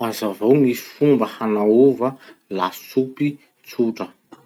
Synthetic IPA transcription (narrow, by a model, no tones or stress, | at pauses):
azavowŋisi̥fumbəhanauvəlasupi | t͡suʈ͡ʂə